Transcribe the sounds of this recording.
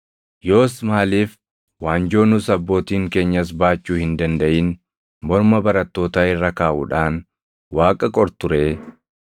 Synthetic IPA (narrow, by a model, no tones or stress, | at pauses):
joːsmaːliːf | waːnd͡ʒo̞ːnʊsɐbːo̞ːt̪iːŋke̞ːɲːɐs̬baːt͡ʃːuːhɪnd̪ɐnd̪ɐʔɪːn | mɔɾmɐbɐɾɐt̪ːo̞ːt̪aːɪrːɐkaːʔṵːᶑaːn | waːkʼɐkʼɔɾt̪ʊɾeː